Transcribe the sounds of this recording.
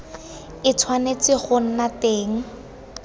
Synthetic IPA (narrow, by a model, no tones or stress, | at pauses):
ɪt͡sʰwanet͡sɪχʊn̩nateːŋ̩